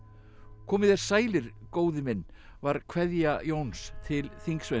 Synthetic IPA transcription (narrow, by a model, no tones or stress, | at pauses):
kʰɔːmɪðɛɾ̥saːjlɪɾ̥koːwðɪmɪnːvaɾ̥kʰvɛðjajownst̪ʰɪlθiŋksve